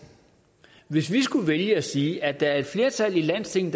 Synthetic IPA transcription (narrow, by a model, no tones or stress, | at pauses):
ʋe̝sʋisɡ̥uʋeljəæsiːæd̥ɑ̈æɐe̝d̥fle̝ːɐt͡sʰæl̰ilæn̰st͡sʰe̝ŋ̰n̩d̥